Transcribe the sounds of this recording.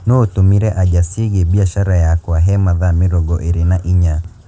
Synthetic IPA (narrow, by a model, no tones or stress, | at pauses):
noːtumiɾɛʔaʄasiɣibiaʃaɾajakwaɦɛmaðamiɾɔɡɔʔiɾinaʔiɲa